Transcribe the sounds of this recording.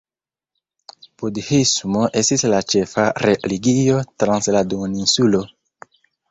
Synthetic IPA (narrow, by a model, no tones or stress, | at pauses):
pudhismoʔestislat͡ʃe̞faɾeliɡio̞tɾansladoninsulo̞